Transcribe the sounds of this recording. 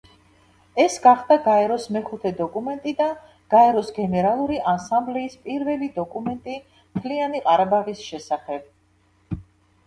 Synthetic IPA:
ɛsɡaχd̪aɡaɛɾɔsmɛχut̪ʰɛd̪ɔkʼumɛnt̪ʼid̪a | ɡ̥aɛɾɔsɡɛnɛɾalˠuɾiʔansamblɛispʼiɾvɛlid̪ɔkʼumɛnt̪ʼi | mt̪ʰlianiqʼaɾabaʁisʃɛsaχɛb̥̚

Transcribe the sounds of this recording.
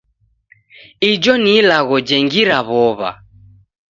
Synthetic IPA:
id͡ʒɔnilaɣɔd͡ʒɛŋɡiɾaβɔβa̰

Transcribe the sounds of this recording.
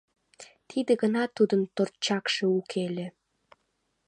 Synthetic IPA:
t̪ʰid̪eɡənɑt̪ud̪ənt̪ort͡ɕɑkʃeukʰelĕ

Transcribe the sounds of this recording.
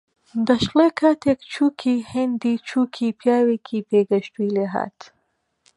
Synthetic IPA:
d̪ɐʃleːkʰaːt̪ʰekt͡ʃʰuːkʰiːhend̪iːt͡ʃʰuːkʰiːpʰjaːweːkʰipeːɡɐʃt̪uileːɦa̰ːt̪

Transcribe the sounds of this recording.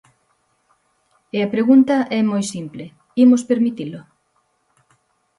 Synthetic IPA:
eɐpɾeɣunt̪ɐʔɛmojsimple | imʊspeɾmit̪ilʊ

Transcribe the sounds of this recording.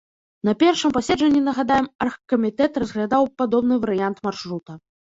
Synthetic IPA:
nɐpʲɛrʂɨmpasʲɛd͡ʐɐnʲːinɐɣad̪ajɛmɐrxkɐmʲit̪ɛt̪rɐzɣlʲad̪awpad̪ɔbnɨvɐɾɨjant̪marʂɾut̪ɐ

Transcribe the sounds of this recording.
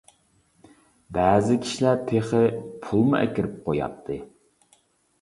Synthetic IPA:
bæːzɪkʲʰi̥ʃilæɾt̪ʰeχɪpʰulˠmuʔɛ̰kʲɪɾɪp̚qʰojɑ̰t̪ʰːɨ

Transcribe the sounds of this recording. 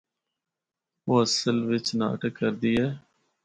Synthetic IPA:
oːəsəlʋɪt͡ʃna̰ːʈəkːəɾd̪iːɦɛː

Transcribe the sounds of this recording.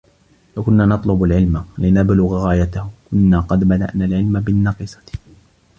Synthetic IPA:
lakʊnːaːnɑt̪ˤlʊbalʕɪlmlɪnablʊɣɣaːjat̪ahʊkʊnːaːqɑd̪bad̪a̰ʔnaːlʕɪlmabɪnːɑqɨsˤɑ̥

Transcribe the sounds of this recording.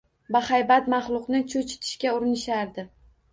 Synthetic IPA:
bahajbat̪mɑχlˠʊqnɪt͡ʃʰot͡ʃʰɪ̥t̪ʰɪ̥ʃkʲaʊɾɪnɪʃaɾd̪ɪ

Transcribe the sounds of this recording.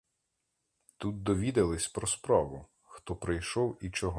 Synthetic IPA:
t̪ut̪̚d̪ɔʋʲid̪ɐlˠɪsʲpɾɔspɾɑʋʊ | xt̪ɔpɾɪjʃɔwit͡ʃɔɦɔ

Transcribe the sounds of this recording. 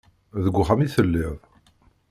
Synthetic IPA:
ðəɡʷːʊχamiθəlːɪðˤ

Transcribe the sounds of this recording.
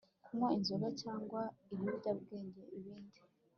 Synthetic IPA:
kʰumŋainzuɾacaːŋɡwaiβiɟabɡe̞ːɲɟeʔiβiːndi

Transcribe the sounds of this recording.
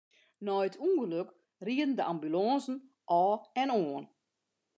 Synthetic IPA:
nɔːətʰuːnɣəløk | riədən̩dəʔambylɔːnzn̩ | ʔɔːɛnoːən

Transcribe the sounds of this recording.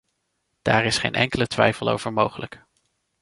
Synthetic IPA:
d̥aːɹɪsχejnʔɛŋkələtʋɛjfəlˠo̰wv̥əɹmowχələk

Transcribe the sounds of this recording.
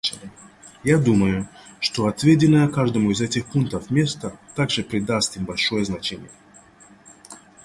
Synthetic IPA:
jad̪uməjʊ | ʂt̪oɐt̪vʲedʲɪnːəjəkaʐd̪əmʊɪzɛtʲɪxpunk̚t̪əfmʲe̞st̪ət̪aɡʐɨpɾʲɪd̪ast̪imbɐlʲʂojəznɐt͡ɕenʲɪ̰jə

